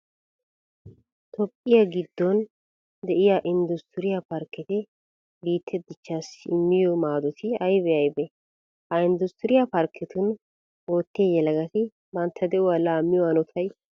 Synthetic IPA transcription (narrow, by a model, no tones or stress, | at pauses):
t̪ɔpʼːɪjɐɡɪd̪ːɔn | d̪ɛʔɪjaʔɪnd̪ʊst̪ɪɾɪjɐpɐɾkːɛt̪ɪ | biːt̪ʰːɛd̪ɪt͡ʃːaːsɪmːɪjɔmaːd̪ɔt̪ʰɪɐjbɛʔɐjbɛ | hɐɪnd̪ʊst̪ɪɾɪjɐpɐɾkʰːɛt̪ʊn | oːt̪ːɪjɛlɐɡɐt̪ɪ | bɐnt̪ʰːɐd̪ɛʔʊwalaːmːɪjɔɐnɔt̪ʰɐj